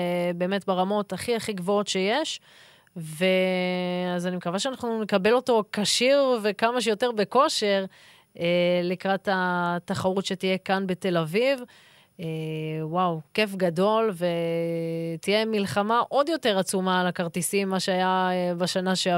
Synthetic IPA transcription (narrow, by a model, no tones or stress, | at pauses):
be̞ːmetbeʁamo̞taχiaχiɡvo̞o̞tʃejeʃ | ve | azanimekavaʃeanaχnunekabe̞lo̞to̞kaʃiʁvekamaʃejo̞teʁbe̞ko̞ʃe̞ʁ | elikʁatataχaʁutʃetijekanbe̞te̞laviv | ewawkefɡado̞lve | tijemilχamaʔo̞djo̞te̞ʁat͡sumalakaʁtisimːaʃeajabaʃanaʃe